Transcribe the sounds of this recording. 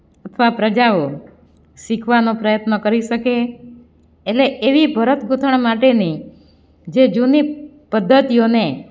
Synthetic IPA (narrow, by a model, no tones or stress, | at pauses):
ət̪ʰəʋapɾəd͡ʒao | ʃikʰʋanopɾəjət̪nəkəɾiʃəkeː | ʈleʔeʋibʱəɾət̪ɡʱut̪ʰəɳ̃maʈeni | d͡ʒed͡ʒuni | pəd̪ʱːət̪ijone